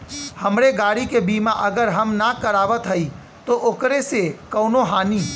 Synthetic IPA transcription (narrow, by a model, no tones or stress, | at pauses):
hɐmɾeɡaːɽikebiːmãʔɐɡəɾɦɐmnakəɾaːʋət̪ɦɐi | t̪oʔokɾesekɐːnoɦaːnĩː